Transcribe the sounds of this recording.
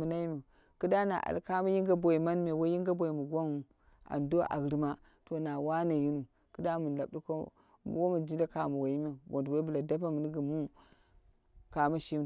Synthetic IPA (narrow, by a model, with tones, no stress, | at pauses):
u˨na˦mi˨ | kɨ˦da˦na̰˨ʔa̰˨lka˦mu˦ji˦ŋɡa˦bʷo˨i˨ma˦nme˨wo˦ji˦ŋɡa˦bʷo˨i˨mu˨ɡa˦nu˨ | a̰˨ndo˦ʔa̰˨ɡɾi˨ma˦ | to˨na˨wa˦na˨ji˦nu˨ | kɨ˦da˦mu˨n˨la˨b̚di˦ko̰˦ | wo˦mu˨d͡ʒi˦da˦ka˨mu˨wa˨ji˦me˨bo˨ntwa˦bu˨la˨da˦p̬a˦mu˨ni˦ɡi˨mu˦ | ka˨ma˦ʃi˦m˨